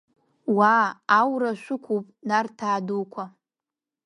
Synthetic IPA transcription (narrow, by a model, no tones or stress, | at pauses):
waːwraʃʷʊkʷʰupʼnartʰaːdokʷʰa